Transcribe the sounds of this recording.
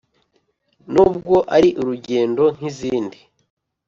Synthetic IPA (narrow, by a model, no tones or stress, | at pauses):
nubɡo̞ʔaɾiʔuɾuɟeːndo̞ŋ̥iziːndi